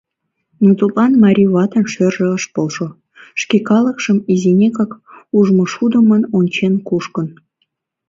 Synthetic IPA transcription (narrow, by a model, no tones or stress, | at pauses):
nut̪upɑnmɑɾʲiβɑt̪ənʃørʒĕəʃpolʃo | ʃkʲekɑlə̆kʃəmizenʲekɑkuʒmŏʃud̪ə̆mənonʲt͡ɕenkuʃkən